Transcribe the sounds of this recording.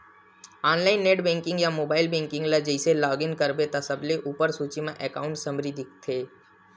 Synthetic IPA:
aːnlaːɪnːeːʈbɛ̃ːŋkɪ̃ŋɡjamoːbaːɪlbɛ̃ːŋkɪ̃ŋɡlad͡ʒəiselɔːɡɪnkəɾbet̪asɐbleʔuːpəɾsuːt͡ʃimẽʔɛkaːʊ̃ɳʈsɐ̃mɾid̪ʱɪk̚t̪ʰeː

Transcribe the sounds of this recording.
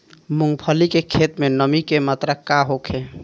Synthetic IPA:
muŋɡpʰəlikekʰet̪menəmikemat̪ɾakaɦokʰe

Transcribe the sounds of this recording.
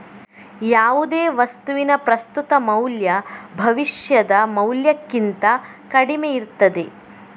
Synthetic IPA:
jaːʋud̪eːʋɐst̪uʋinɐpɾɐst̪ut̪ɐmɐwljɐbʱɐʋiʂjɐd̪ɐmɐwljɐkːint̪ɐ | kɐɽimejiɾt̪ːɐd̪e̞

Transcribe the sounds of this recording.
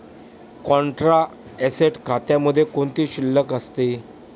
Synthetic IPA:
kɔ̃ɳʈɾa | ɛseʈkʰat̪jãməd̪ʱːjekoɳt̪iːɕilːəkəst̪e

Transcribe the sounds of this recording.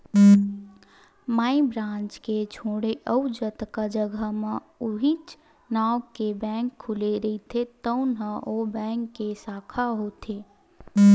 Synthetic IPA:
maibɾãːnt͡ʃket͡ʃʰoːɽeʔəud͡ʒət̪kad͡ʒəɡʱəmẽ | uɦit͡ʃ | naːwkebɛ̃ŋkʰːuleɾəit̪ʰet̪əʊnɦə̃ʔobɛ̃ːŋkːesaːkʰaɦot̪ʰe

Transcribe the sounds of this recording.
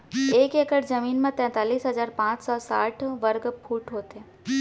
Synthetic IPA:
eːkeːkəʈzɐmiːnmẽt̪ɛ̃ːt̪aːliːsɦɐzaːɾpãːt͡ʃsɔːsaːʈʰʋəɾɡpʰuːʈɦoːt̪eː

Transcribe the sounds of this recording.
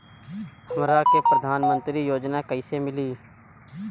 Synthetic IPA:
hɐmɾakepɾəd̪ʱaːnmə̃nt̪ɾijoːd͡ʒnakəɪsemɪliː

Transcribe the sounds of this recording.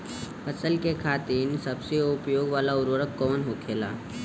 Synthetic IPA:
ɐsəlkekʰaːt̪ɪnsɐbseʊpjoːɡʋaːlaʊɾʋəɾəkːɔːnɦokʰeːla̰ː

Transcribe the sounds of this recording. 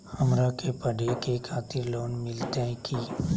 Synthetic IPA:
hɐmɾakepəɖekekʰaːt̪ɪɾloːnmɪlt̪ɛẽkʰi

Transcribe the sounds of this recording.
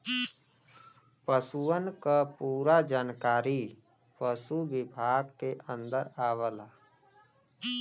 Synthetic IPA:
pəsuənkapuːɾad͡ʒaːnkaːɾi | pəsubɪbʱaːɡkeʔə̃nd̪əɾaːʋəlaː

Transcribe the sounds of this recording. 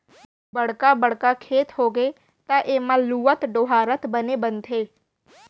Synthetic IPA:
bəɽkabəɽkakʰeːt̪ɦoːɡe | t̪ãʔeːmãluːət̪ɖoːɦaːɾət̪bənebənt̪ʰɦeː

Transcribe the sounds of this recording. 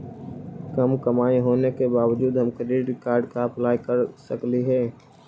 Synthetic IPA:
kɐmkɐmaːiɦoːnekebaːʋd͡ʒuːd̪ɦɐ̃mkɾeʈɾɪkaːɾɖkaɐplaːjkəɾsəkliɦɛː

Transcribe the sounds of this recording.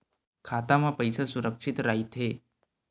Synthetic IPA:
kʰat̪amapəjsəsuɾəkʂit̪ɾait̪ʰe

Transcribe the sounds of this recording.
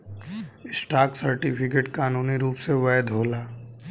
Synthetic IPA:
ɪsʈaːksɐɾʈɪpʰɪkeːʈkaːnuːniɾuːpseʋɛɛd̪ʱoːlaː

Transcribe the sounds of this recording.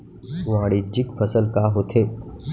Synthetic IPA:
ʋaːɽid͡ʒɪkpʰəsəlkaɦoːt̪ʰeː

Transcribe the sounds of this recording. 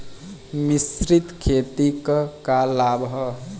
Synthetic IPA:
misɾit̪kʰet̪ikəkalabʱɦə

